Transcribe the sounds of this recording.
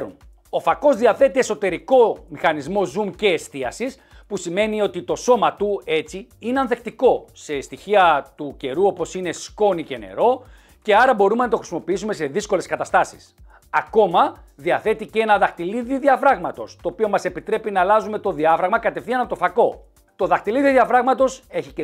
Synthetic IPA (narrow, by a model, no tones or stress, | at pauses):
ɾṵn | o̞fɐko̞zðiɐθe̞t̪ie̞so̞t̪e̞ɾiko̞mixɐnizmo̞zumce̞ːst̪iɐsis | pusime̞nio̞t̪it̪o̞so̞mɐt̪ue̞t͡siineɐnθe̞kt̪iko̞se̞st̪içiɐt̪uce̞ɾuo̞po̞sine̞sko̞nice̞ne̞̰ɾo̞ | ce̞ɐɾɐbo̞ɾume̞nɐt̪o̞xɾisimo̞piisume̞se̞ðisko̞le̞skɐt̪ɐst̪ɐsi̥s | ɐko̞mɐ | ðiɐθe̞t̪ice̞nɐðɐxt̪iliðiðiɐfɾɐɣmɐt̪o̞st̪o̞ːpio̞mɐse̞pit̪ɾe̞pinɐːlɐzume̞t̪o̞ðiɐfɾɐɣmɐkɐt̪e̞fθiɐnɐt̪ofɐko̞ | t̪o̞ðɐxt̪iliðiðiɐfɾɐɣmɐt̪o̞se̞çie